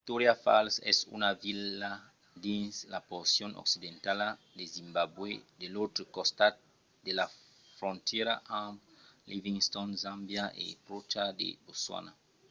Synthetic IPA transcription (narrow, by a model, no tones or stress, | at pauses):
it̪oɾjafa̰lsɛ̰sṵnavila | d̪ẽnslapoɾsjonʔɔ̰ksid̪ẽnt̪ala | d̪ezĩmbabwed̪elot̪ɾəkost̪at̪̚ | d̪ela | fɾõnt̪jeɾaʔãliviŋst̪ɔnzãmbjaʔḛpɾot͡ʃad̪ḛboswa̰na